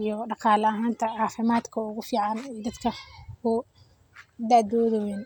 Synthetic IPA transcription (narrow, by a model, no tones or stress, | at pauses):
ijɔɖɑqɑːlɐɐɦaːnt̪ʰɐɑːfɪmaːd̪kʰɐʊɣʊfiːʕɑnɛd̪ɐd̪kʰɐkʊ | d̪aːd̪ɔːðɔwɛn